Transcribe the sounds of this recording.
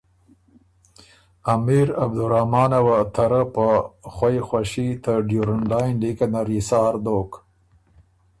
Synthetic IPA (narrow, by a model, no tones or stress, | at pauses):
amiɾab̚d̪uɾahmɑːnawat̪ʰaɾəpəxwajxwaʃit̪əɖjuɾanlɑjnd̪ikanaɾisɑːɾd̪ok